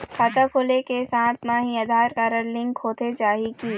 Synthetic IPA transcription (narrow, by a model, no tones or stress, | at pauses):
kʰaːt̪akʰoːlekesãːt̪ʰmãɦĩəd̪ʱaːɾkaːɾəɾlɪ̃ŋkʰhoːt̪ed͡ʒaːɦikiː